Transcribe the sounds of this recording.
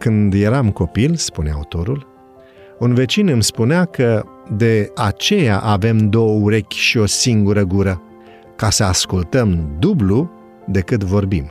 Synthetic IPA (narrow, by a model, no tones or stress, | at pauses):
kɨnd̪je̞ɾamko̞pilspunea̰ut̪o̞ɾul | unve̞t͡ʃinɨmspunɪakə | d̪e̞at͡ʃe̞jaʔave̞md̪o̞wəuɾe̞kʲʃio̞siŋɡuɾəɡuɾə | kasəaskult̪əmd̪ublu | d̪e̞kɨt̪vo̞rbim